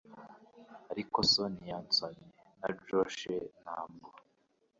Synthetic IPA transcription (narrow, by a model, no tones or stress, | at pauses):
aɾikosonijant͡soɲe | nad͡ʒoʃenhaːmɡo